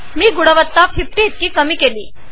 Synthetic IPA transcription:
miːɡuɽəʋət̪ːafʰip̚ʈeet̪̚kiːkəmiːkelḭː

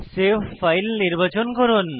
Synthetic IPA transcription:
sefajlniɾbat͡ɕonkɔɾon

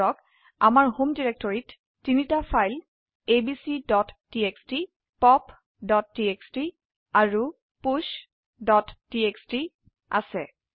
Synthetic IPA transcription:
ɔk | amaɹhomdiɹɛk̚tɔɹitː | initapʰajl | ebisidɔtːieksti | pɔp | dɔtːieksti | aɹu | puʃ | dɔtːieksti | a̰sɛ

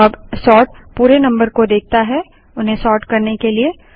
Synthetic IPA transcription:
ɐbsɔːʈ̚ | puːɾenɐ̃mbəɾkod̪eːk̚t̪aɦɛ | ʊnɦẽsɔːʈkɐɾnekelie

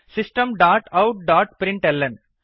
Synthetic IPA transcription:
sɪsʈə̃mɖaːʈɐʊʈ̚ɖaːʈ̚pɾɪ̃ɳʈɛlːɐn

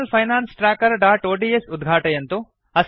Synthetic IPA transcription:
lpʰɐjnaːnsʈɾaːkɐɾɖaːʈoːʈiesud̪ɡʱaːʈɐjɐnt̪u | ɐs

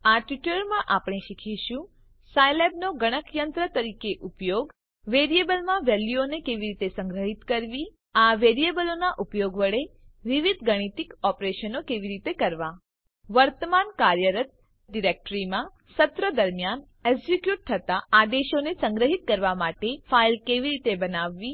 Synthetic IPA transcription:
aʈʋiʈəɾmãʔapɳ̃eʃikʰiʃũ | sajlebnoɡəɽ̃əkjənt̪ɾət̪əɾikeʔupjoɡ | ʋeɾiebəlmãʋɛljuonekeʋiɾit̪esə̃ŋɡɾəɦit̪kəɾʋi | aʋeɾiebəlonaʔupjoɡʋəɭeʋiʋid̪ʱɡəɽ̃it̪ikɔpɾeʃənokeʋiɾit̪ekəɾʋa | ʋəɾt̪əmankaɾjəɾət̪̚ | ɖiɾek̚ʈɾimã | sət̪ɾəd̪əɾmjan | ɛɡzikjuʈ̚t̪ʰət̪aad̪eʃonesə̃ŋɡɾəɦit̪̚kəɾʋamaʈefailkeʋiɾit̪ebənaʋːi

